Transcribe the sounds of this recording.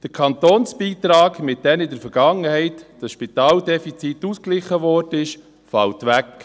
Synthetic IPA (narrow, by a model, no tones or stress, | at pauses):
d̥əɾkʰɑnt̪oːnsb̥iːt̪ɾɑːɡmɪt̚d̥ɛnɪdəɾfəɾɡ̥ɑŋəhɛɪtd̥əsʃpit̪ɑːldɛfit͡sit̪usklɪχəʋɔːɾdənɪʃ | fɑltʋæk